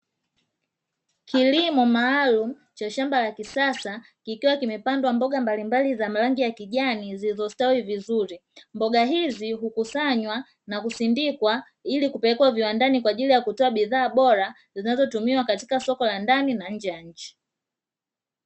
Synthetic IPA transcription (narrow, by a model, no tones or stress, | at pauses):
kilimɔmaːlumu | t͡ʃaʃambalakisasa | kikiwakimɛpandwambɔɠambalimbalizamalaŋɡijakiʄaniziizɔstawivizuɾimbɔɡaɦiziɦukusaɲwa | nakusindikwa | ilikupɛlɛkwaviwandanikwaːʄilijakutɔaɓiðaːɓɔɾa | zinazɔtumiwakati̥kasɔkɔlandaninaɲ̩d͡ʒɛjaɲ̩t͡ʃi̥